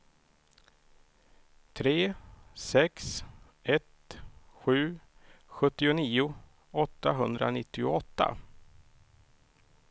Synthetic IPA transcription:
t̪ʰɾeːsɛks | ɛt̪ɧʉ̟ːɧɵt̪ːɪʊniːʊ | ɔt̪ːaɦɵnd̪ɾa̰nɪt̪ːɪʊ̰ɔt̪ːa̰

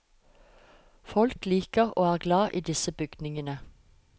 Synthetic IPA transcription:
fɔlkliːkəʁo̰ːæːʁɡlɑːʔiːd̪ɪsəbʏɡd̪nɪŋənə

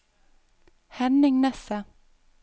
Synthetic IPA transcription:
hɛnɪŋnɛsə

